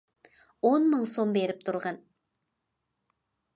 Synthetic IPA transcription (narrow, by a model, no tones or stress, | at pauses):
wonməɴso̞mbe̞ɾɪp̚t̪ʰʊɾʁɑn